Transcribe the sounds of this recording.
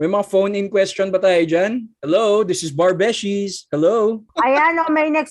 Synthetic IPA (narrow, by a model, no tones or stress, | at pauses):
mɐjmɐŋafownɪnkwɛst͡ʃɔnbɐt̪aːjɪd͡ʒanhɛlowd̪ɪsɪsbɐɹbɛʃishɛlowʔɐjanomɐjnɛks